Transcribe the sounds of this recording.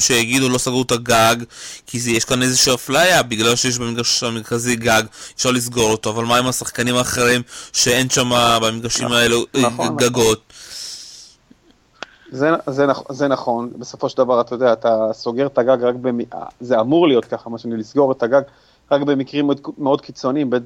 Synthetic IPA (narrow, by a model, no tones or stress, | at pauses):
ʃejaɡid̪ulo̞saɡʁutaɡaɡkʰizjeʃkanezeʃiaflajabiɡlalʃe̞jeʃ̬beeɡaʃameʁkaziɡaɡefʃaʁlis̬ɡo̞ʁoto̞avalmaimasaχkanimaːχeʁimʃe̞e̞nʃamabamiɡaʃimaeleɡaɡo̞t̪ | zezenazenaχo̞nbesofo̞ʃeld̪avaʁat̪ajod̪eaːt̪aso̞ɡeet̪aɡaɡʁakbemḭzeamuʁlijo̞t̪̚kaχamaʃanilisɡo̞ʁet̪aɡaɡ | ʁakbe̞mikʁimdmeo̞d̪kit͡so̞niimbe